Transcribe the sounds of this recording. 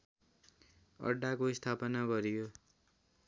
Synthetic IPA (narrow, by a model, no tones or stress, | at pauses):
ʌ̰ɖːakoist̪ʰapʌnaɡʌɾijo